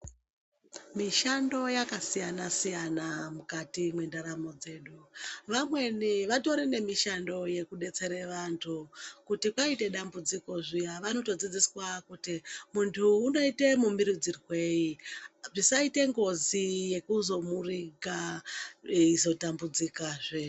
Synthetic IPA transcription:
miʃando̞jakasijanasijanamukatimwe̞ndaɾamo̞d͡ze̞ːɗuʋamwe̞niʋato̞ɾene̞miʃando̞je̞kuɗe̞t͡se̞ɾeʋantʰukutikwaite̞ɗambud͡ziko̞ʐijaʋano̞to̞d͡zid͡ziswakutimuntʰuːno̞ite̞mumiɾid͡zirwe̞iʐisaite̞ŋɡo̞zije̞kuzo̞muriɡa | izo̞tambud͡zikaʐe

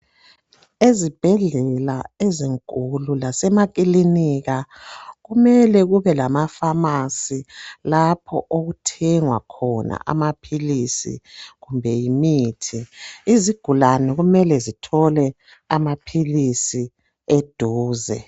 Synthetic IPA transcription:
ezib̥ʱɛɮɛlaeziŋkʼululasɛmak̬ʼiliniɣaɣumɛlɛɣuβɛlamafamasilapʰɔ̰ʔoɣutʰɛŋwa̰kʰɔna̰ʔa̰mapʰilisḭɣumbʱɛjimiːtʰiiziɡ̥ʱulanɛɣumɛlɛzitʰɔlɛ | amapʰilisi | ed̥ʱuːzɛ̰

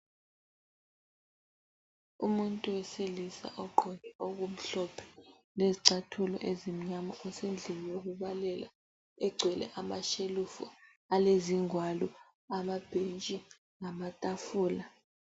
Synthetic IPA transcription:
umuntʼuwɛselisa̰ʔɔǃʱɔnɛok̬um̩ɬɔpʰɛ̥ | leziǀatʰulɔ̰ʔezim̩ɲamɔɔsend͡ɮʱiwok̬uɓalɛla̰ | ɛɡ͡ǀʱwɛlɛ̰ʔamaʃelufɔ̰ | aleziŋwalu | amab̥ʱent͡ʃʼi | ŋamatʼafuːla

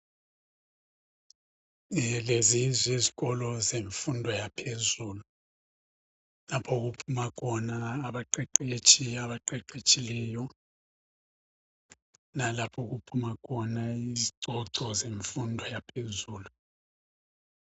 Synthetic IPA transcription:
ɛlezizweziɣɔlɔzeɱfundʱɔjapʰezuːlu | lapʰɔɣupʰumakʰɔnaːβaǃɛǃet͡ʃʼiaβaǃɛǃet͡ʃʼilɛjɔ | nalapʰɔɣupʰumakʰɔnaiziǀʱɔǀɔzeɱfundʱɔjapʰezuːlu

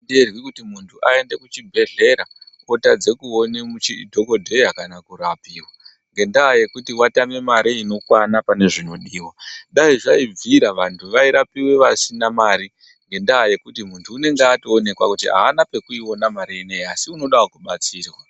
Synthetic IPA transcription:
nderwikutimuntʰuʔae̞nde̞kut͡ʃibʱe̞ɮe̞ɾakotad͡ze̞kuo̞nemut͡ʃidʱo̞ko̞dʱe̞jakanakuɾapiːwa | ŋɡe̞ndaaje̞kutiwatame̞maɾiino̞kwanapane̞ʐino̞ɗiːwaɗaiʐaib͡viɾaʋantʰuʋaiɾapiweʋasinamaːɾi | ŋɡe̞ndaɦaje̞kutimuntʰuːne̞ŋɡeatoone̞kwakutia̰ːnape̞kuiwo̞namaɾieneiasiuno̞ɗawukuɓat͡siːrwa

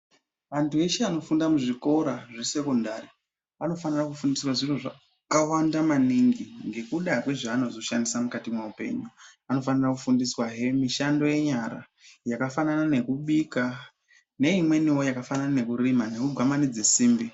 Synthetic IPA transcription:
ʋantʰue̞ʃeano̞fundamuʐiko̞ɾaʐese̞ko̞ndari | ano̞fanirakufundiswaʐiroʐa | kawandamaniŋɡiŋɡe̞kuɗakwe̞ʐaːno̞zo̞ʃandisamukatimwaupe̞̰ɲuano̞fanirakufundiswaɦe̞miʃando̞je̞ɲaɾa | jakafananane̞kuɓika | ne̞imwe̞niwo̞jakafananane̞kurimane̞kuɡʱamanid͡ze̞siːmbi

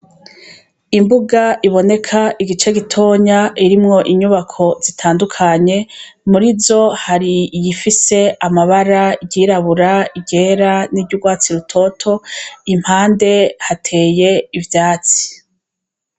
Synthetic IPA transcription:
imbuɡaʔiβo̞ne̞kʰaiɡit͡ʃeɡitʰo̞ːɲaʔiɾimŋo̞ʔiɲuβakʰo̞zitʰaːndukʰaɲe̞ | muɾizo̞haɾijifise̞amaβaɾaɟiːɾaβuɾaiɟe̞ːɾaniɟuɡwaːt͡siɾutʰo̞tʰo̞im̥haːnde̞hatʰe̞ːje̞ivjaːt͡si̥

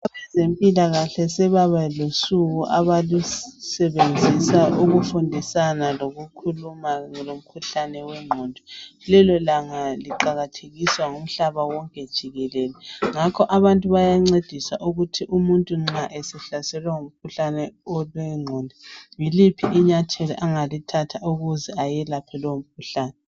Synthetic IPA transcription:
aβɛzempʼilaɣaɬɛsɛβaβalosuɣuʔaβalusɛβend͡zʱisaʔuɣufundʱisanaloɣukʰulumaŋɛlom̩kʰuɬanɛwɛŋ͡ǃʱoːndʱilɛlɔlaŋaliǃaɣatʰeɣiswaŋum̩ɬaβawɔŋkʼɛd̥ʒ̥ʱiɣɛlɛlɛŋakʰɔʔaβantʼuβajaŋ͡ǀed̥ʱisaʔuɣutʰiʔumuntʼuŋ͡ǁaʔɛsɛɬasɛlwɛŋom̩kʰuɬanɛɔlwɛŋ͡ǃʱondʱijilipʰiʔːɲatʰelɛ̰ʔaŋalitʰatʰauɣuzɛajɛlapʰɛlom̩kʰuɬaːnɛ

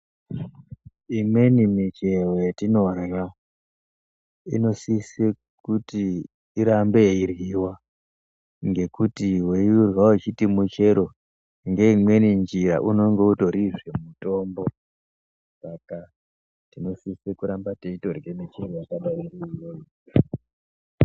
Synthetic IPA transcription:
imwe̞nimit͡ʃe̞wetino̞rja | ḭno̞sise | kutiː | ɾambe̞iriwa | ŋɡe̞kutiweurwait͡ʃitimut͡ʃe̞ɾo | ŋɡe̞imwe̞nind͡ʒiɾa̰ʔuno̞ŋɡe̞uto̞ɾiʐemuto̞mbo | saka | tino̞sisekuɾambateitorɡemet͡ʃerojakaɗairiijoji

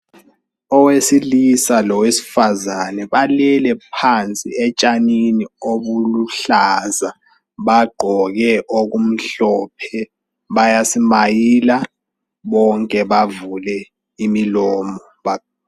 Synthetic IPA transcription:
ɔwesilisalɔwesi̥fazanɛɓalɛlɛpʰant͡sʼḭɛt͡ʃʼaninioɓuluɬaza | ɓaɡ͡ǃʱɔk̬ɛʔok̬um̩ɬɔpʰɛ | ɓajasimajiːla | ɓɔŋkʼɛɓavulɛ | imilɔːmɔ | ɓa

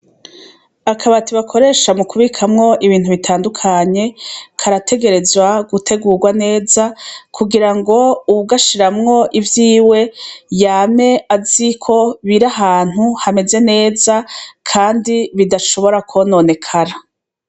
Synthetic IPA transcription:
akʰaβatiβakʰo̞ɾe̞ːʃamukuβikʰamŋo̞ʔiβiːn̥huβitʰaːndukʰaɲe̞kʰaɾatʰe̞ɡe̞ɾe̞zwaɡutʰe̞ɡuːɡwane̞ːzakʰuɡiɾaŋɡo̞uβuɡaʃiɾamŋo̞ʔivjiːwe̞jaːme̞azikʰo̞βiɾaɦaːn̥huhame̞ze̞ne̞ːzakʰaːndiβidaʃo̞βo̞ɾakʰono̞ːne̞kʰaɾa

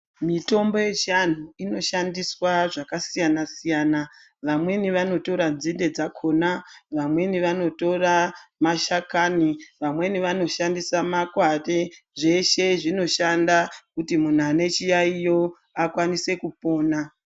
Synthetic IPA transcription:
mito̞mbo̞je̞t͡ʃian̤uino̞ʃandiswaʐakasijanasijaːna | ʋamwe̞niʋano̞to̞ɾanzinde̞d͡zakʰo̞ːnaʋamwe̞niʋano̞to̞ramaʃakaniʋamwe̞niʋano̞ʃandisamakwareʐe̞ʃe̞ʐino̞ʃandakutimun̤uane̞t͡ʃijaijo̞ | akwanise̞kupo̞ːna

